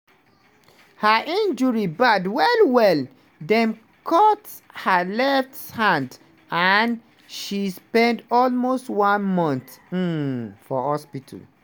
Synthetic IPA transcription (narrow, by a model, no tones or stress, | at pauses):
haʔĩnd͡ʒɔɹibadwɛlwɛl | dɛ̃m | kʰɔt | həlɛfthãnd | an | ʃispɛ̃ndɔlmostwãnmɔ̃nθ̩ | fɔhɔspitʰl